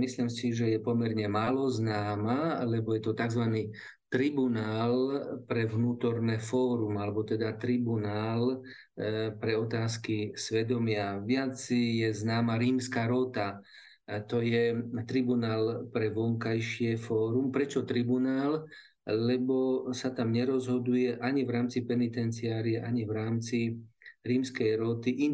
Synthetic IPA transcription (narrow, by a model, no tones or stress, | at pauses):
mislimsiʒɛjɛpɔmɛɾɲɛmaːlɔznaːmalɛbɔjɛt̪ɔt̪aɡzʋani | t̪ɾibunaːlpɾɛʋnuːt̪ɔɾnɛfɔːɾumalɛbɔt̪ɛd̪at̪ɾibunaːl | pɾɛɔt̪aːskisʋɛd̪ɔmɪaʋɪat͡sjɛznaːmaɾiːmskaːɾɔt̪a | t̪ɔjɛt̪ɾibunaːlpɾɛʋɔŋkajʃɪɛfɔːɾumpɾɛt͡ʃɔt̪ɾibunaːlː | ɛbɔsat̪amɲɛɾɔzɦɔd̪ujɛʔaɲivɾaːmt͡sipɛnit̪ɛnt͡siaːɾiɛʔaɲivɾaːmt͡siɾiːmskɛjɾɔt̪iʔi